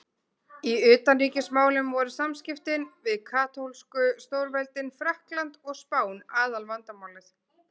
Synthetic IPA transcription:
iʏːt̪anriːcɪsmaːwlʏmvɔɾʏsamscɪft̪ɪnvɪðkʰaːt̪owlskʏst̪owɾvɛlt̪ɪnfɾahklant̪ɔɣspaːwnaːðalvant̪amaːwlɪθ

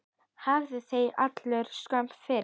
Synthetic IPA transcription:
havðɪθeja̰t̪lœɾ̥skam̥pfɪɾ

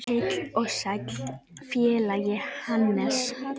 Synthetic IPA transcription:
ɪt̪lɔsak | fjɛːlajɪhanːɛs

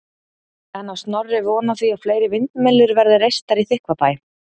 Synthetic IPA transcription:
ɛnawst̪nɔrːɪvɔːnaθviafleːjɾɪvɪnt̪mɛlːʏɾvɛɾðɪrejst̪aɾiθɪhkvap̪aːj

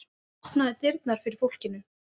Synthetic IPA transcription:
ɔhp̪naðɪt̪ɪɾt̪̚naɾ̥fɪɾɪɾ̥fowl̥cɪnʏ

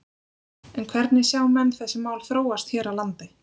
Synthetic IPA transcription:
ɛnkʰvɛɾt̪nɪsjaːwmɛnːθɛsːɪmaːwlθɾoːwast̪çɛːɾalant̪ɪ

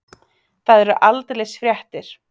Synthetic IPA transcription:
θaðɛɾʏʔalt̪lɛsfɾjɛht̪ɪɾ̥

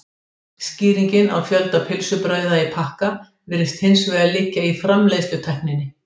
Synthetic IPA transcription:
sciːɾiɲcɪna̰wfjœlt̪apʰɪlsʏpɾœːɥðaipʰahka | vɪːɾɪst̪hɪnsvɛːɣalɪcːaifɾamlejst̪ʏt̪ʰɛhknɪnːɪ

